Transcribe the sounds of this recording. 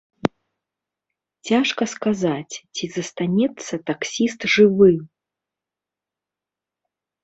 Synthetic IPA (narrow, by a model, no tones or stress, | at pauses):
t͡sʲaʂkɐskazat͡sʲt͡sʲizɐst̪anʲɛt̪sːɐt̪aksʲist̪ʐɨvɨ